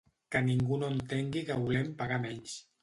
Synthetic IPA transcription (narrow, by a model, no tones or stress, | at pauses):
kəniŋɡunoənt̪eŋɡikəβulɛmpaɣamɛɲs